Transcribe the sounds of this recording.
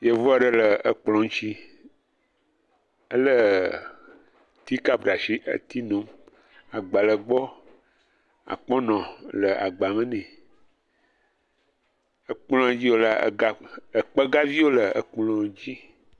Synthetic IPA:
je˦vɔ˦a˦˨ɖə˨lə˨ə˨k͡plɔ̃˨ŋ˦t͡ɕi˦ | ə˦lə˦ | t̪i˦ka˦bɖa˨ʃi˦ʔə̰˦t̪i˦nõ˨˦m | a˨ɡ͡ba˨lə˨ɡ͡bɔ˦ | a̰˨k͡pɔ̃˦nɔ̃˨lə˨a̰˨ɡ͡ba˨mə̃˦nɛ̃˨ | ə˨k͡plɔ̃˦a˨d͡ʑi˦wo˦la̰˦˨a˦ə˨k͡pə˦ɡa˦vi˦wo˦lə˨ə˨k͡plɔ̃˨d͡ʑi˦

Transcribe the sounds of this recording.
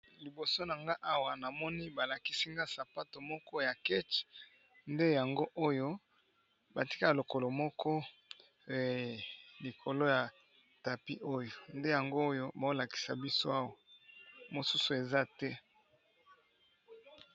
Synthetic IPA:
li˨bo˨so˦na˨ŋɡa˦ʔa˦wa˨na˨mɔ˦ni˦ba˨la˨ki˦si˦ŋɡa˦sa˨pa˦to˨mɔ˦kɔ˦ja˨kɛ˦t͡ʃ | nde˦ja˨ŋɡo˦ʔo˦jo˦ | ba˨ti̥˦ka˦a˨lo˨ko˨lo˨mɔ˦kʰɔ˦˨ | li˨kʰo˨lo˦ja˨ | ta˨pi˦ʔo˦jo˨nde˦ja˨ŋɡo˦jo˦ba˨o˦la˨ki̥˨sa˨bi˦so˦a˦wa˨mo˨su˦su˨e˨za˦tɛ˦

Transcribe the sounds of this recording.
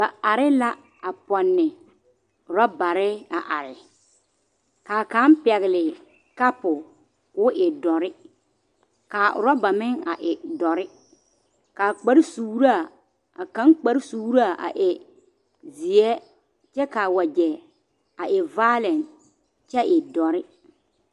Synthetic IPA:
ba˨a˨ɾɪ˦la˦ | a˨pɔ˨nːɪ˨ | ʊ˨ɾɔ˦ba˨ɾɪ˦a˨ʔa˨ɾɪ˨ | kaː˨ka˨˦npɛ˨ɣɪ˨lɪ˨ | ka˦pʊ˨ | kʊ˦ʔɪ˨dɔ˨ɾɪ˦ | ka˨ʊ̰˨ɾɔ˦ba˨mɪ˦ŋa̰˨ʔɪ˨dɔ˨ɾɪ˦ | kaː˨k͡pa˦ɾsuː˨ɾa˨ | a˨kã˨˦ŋk͡pa˨˦ɾsuː˨ɾa˨a̰˨ʔɪ˨ | zi˨ɛ˦ | t͡ʃɛ˦ka˨wa˨d͡ʒɛ˨ | a˨ʔɪ˨va˦lɛ˨n | t͡ʃɛ˦ʔɪ˨dɔ˨ɾɪ˦

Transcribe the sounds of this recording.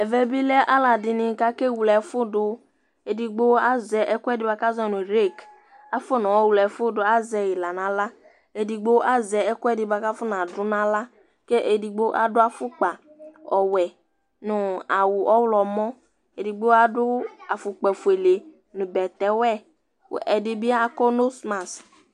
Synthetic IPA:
ɛ˨vɛ˦bi˦lɛ˦ʔa˦la˨dɪ˨nɪ˨ka˦ke˦˨wu˨lɛ˨˦fʊ˦dʊ˨ | e˨di˨ɡ͡bo˦a˦zɛ˨ʔɛ˦kʷɛ˦˨dɪ˦ba˨ka˦zɛ˦˨nʊ̃˨ɾe˦˨k | a˨fʊ˦nɔ˨ɔ˦wu˨lɛ˨fʊ˦dʊ˨a˦zɛ˨jɪ˨la˨nã˨˦la˦ | e˨di˨ɡ͡bo˦ʔa˦zɛ˨ɛ˦kʊ˦ɛ˦˨dɪ˦ba˨ka˦fʊ˦n˨a˨dʊ˨˦nã˦la˦ | ke˦ʔe˨di˨ɡ͡bo˦ʔa̰˦dʊ˦a˨fʊ˦k͡pa˨ | ɔ˨wɛ˨ | nʊ˨a˨wʊ˨ʔɔ˦wlɔ˨mɔ˦ | e˨dɪ˨ɡ͡bo˦a˦dʊ˦a˨fʊ˨k͡pɛ˨fu˨e˨le˨ | nʊ̃˨bɛ˨t̪ɛ˨˦wɛ̰˦˨ | ʔɛ˨dɪ˦bɪ˦a˦kɔ˦no˦sma˨s

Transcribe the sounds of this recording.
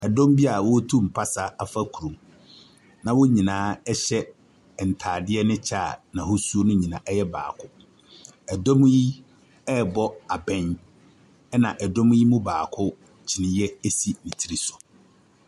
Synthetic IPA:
ɛ˨dɔ̃˦mbi˦a˨wɔ˦tʰũ˦˨m̩˨pʰa˦sa˨a˦fa˦kʰu˨ɾũ˨m | nã˨wʊ˦ɲĩ˨nãː˨˦ɛ˦ɕɛ˦˨ | n̩˨tʰaː˨dɪ˦ɛ˦nɪ̃˦t͡ɕʰa˦˨nã˨hʊ˦su˦o˦nʊ̃˦ɲĩ˨nã̰˨ʔɛ˦jɛ˦ba̰ː˨kʰʊ˦ | ɛ˨dɔ̃˦m˦ji˦ | ɛ˦bɔ˦a˨bɛ̃˦n | ɛ˦nã˨ʔɛ˨dɔ̃˦m˦ji˦mʊ̃˦baː˨kʰʊ˦ | t͡ɕʰi˨nɪ̃˦jɛ˦e˦si˦nĩ˨tʰi˦ɾi˦sʊ̥˨

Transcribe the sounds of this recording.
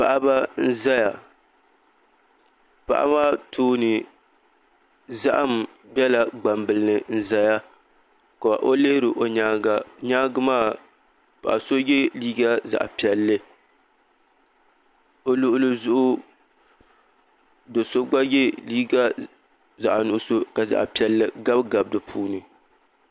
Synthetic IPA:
pa̰˨ʔa˦ba˦n̩˦za˦ja˨ | pa̰˨ʔa̰˦maː˦˨tʰoː˦nɨ˨ | za˦ʔa˦m˨ | bjɛ˦la˨ɡ͡ba˨mbɨ˨lɨ˦nɨ˨n̩˦za˦ja˦ | ka˨a̰˨ʔo˦leː˦ɾɨ˨ʔo˨ɲa˦a˨ɲa˦ɡɨ˦maː˦˨ | pa̰˨ʔa̰˨so˦jɛ˦liː˦ɡa˦za̰˨ʔpi˨ɛ˨lːɨ˦ | o˦lʊ˦ʔʊ˦lɨ˦zʊ˦ʔʊ˦ | do˨so˦ɡ͡ba˦jɛ˦liː˦ɡa˦ | za˨ʔa˨nʊ˨˦so˦ka˨za̰˨ʔa˨pi˨ɛ˦lːɨ˦ɡa˦bɡa˨b̚dɨ˨pʰuː˦nɨ˨

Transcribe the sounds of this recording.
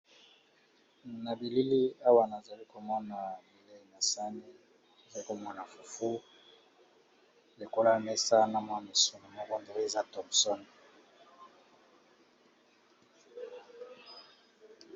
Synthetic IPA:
na˨bi˨li˦li˦a˦wa˨na˨za˨li˦ko˨mɔ˦na˨bi˨le˦˨na˨sa˦ni˦ | e˨za˨li˦ko˨ma˦na˨fu˨fu˦ | le˨ko˦la˦˨mɛ˦sa˦na˨mwa˦ni˨su˦no˨mo˦kɔ˦ndo˦e˨za˦tɔ˨msɔ˦n˨

